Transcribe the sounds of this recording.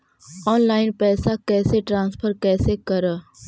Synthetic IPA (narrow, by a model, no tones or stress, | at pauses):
ɔːnlaːɪnpɛːsakɛːseʈɾãːnspʰəɾkɛːsekəɾə